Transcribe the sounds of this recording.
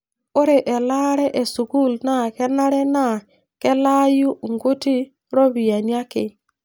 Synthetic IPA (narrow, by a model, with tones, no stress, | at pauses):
o˦ɾe˨ʔɛ˨la˦ɾɛ˦ʔe˨su˨ɡu˦˨lna˦˨kɛ˦na˦ɾɛ˦na˦˨ | kɛ˦la˦ju˦ŋɡu˦ti˦ | ɾo˦βi˨ja˨ni˦a˦kɪ˨